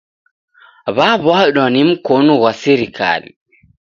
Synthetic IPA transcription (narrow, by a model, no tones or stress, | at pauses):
βaβaɗwanim̩kɔnɔwasiɾikʰa̰lḭ